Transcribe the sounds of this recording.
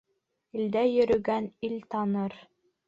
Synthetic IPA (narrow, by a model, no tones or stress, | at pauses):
ild̪æjɵ̆ɾɵ̆ɡænilt̪ɑnɤɾ